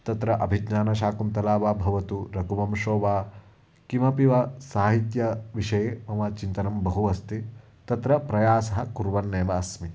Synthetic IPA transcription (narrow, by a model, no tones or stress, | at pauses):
t̪ɐt̪ɾɐʔɐbʱid͡ʒɲaːnɐʃaːkumt̪ɐlaːʋaːbʱɐʋɐt̪uɾɐkuʋɐmʃoːʋaː | kimɐpiʋɐsaːɦit̪jɐʋiʂɐjeːmɐmɐt͡ʃint̪ɐnɐmbɐɦuʋɐst̪i | t̪ɐt̪ɾɐpɾɐjaːsɐɦɐkuɾʋɐnːeːʋɐɐsmi